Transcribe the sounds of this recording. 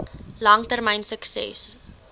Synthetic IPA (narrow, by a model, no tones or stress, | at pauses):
lɐŋtərmɛjnsəksɛ̰s